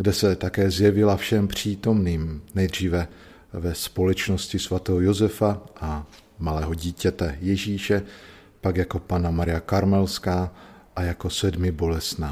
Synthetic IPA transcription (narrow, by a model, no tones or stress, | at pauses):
ɡdɛsɛt̪akɛːzjɛvɪlafʃɛmpr̝̥iːt̪o̞mniːmnɛjd̪r̝iːvɛ | vɛspo̞lɛt͡ʃno̞scɪsvat̪ɛːɦojozɛfaʔa | malɛːɦo̞ɟiːcɛt̪ɛjɛʒiːʃɛ | paɡjako̞panamaɾɪjakaɾmɛlskaːʔajako̞sɛdmɪbo̞lɛsnaː